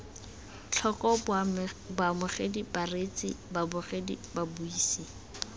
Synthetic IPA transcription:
t͡ɬʰɔkɔ | bamʊχedibaret͡sʼɪ̰babʊχedḭbabuiːsi

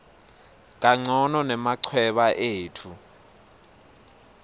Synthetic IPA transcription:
k̬ʼaŋ͡ǀʱɔnɔnɛmaǀʰwɛɓaʔeːtʰu

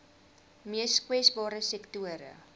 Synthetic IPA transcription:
miəskwɛsbɑːɾəsɛktuəɾə̰

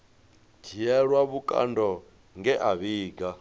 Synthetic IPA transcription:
dʰijɛɺwaβukʼa̰ndɔ | ŋɡɛʔaβiːɡa

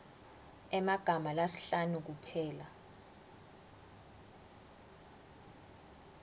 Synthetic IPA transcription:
ɛmaɡ̥ʱamalasi̥ɬanuk̬upʰɛːla

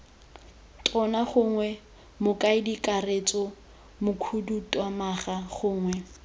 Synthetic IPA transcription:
tʼʰɔnaχʊːŋwɛ | mʊkʼaɪdikʼaret͡sʼɔ | mʊkʰudutʼwamaχaχʊːŋwɛ

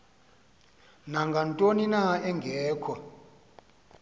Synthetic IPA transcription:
naŋɡʱantʼoninaɛŋɡʱɛːkʰɔ

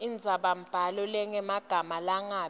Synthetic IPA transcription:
ind͡zʱaɓam̩b̥ʱalɔlɛŋɛmaɡ̥ʱamalaŋaː

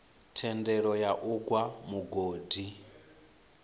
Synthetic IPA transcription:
tʰɛndɛɺɔjaʔuɡwamuɡoːdi

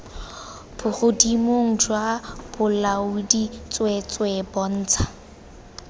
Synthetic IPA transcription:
b̥ʊχʊdimoŋ̩d͡ʒwab̥ʊlaʊdit͡sʼwet͡sʼwebɔn̩ːt͡sʰḁ

